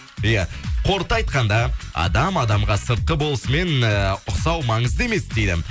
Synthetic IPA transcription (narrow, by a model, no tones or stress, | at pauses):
ijæqʰo̞ɾt̪əɑjt̪̚qɑnd̪ɑɑ̰d̪ɑmɑd̪ɑmʁɑsəɾt̪̚qəbo̞lˠəsəme̞nʊqsɑwmɑɴəzd̪əe̞me̞sd̪e̞jd̪ɪ̰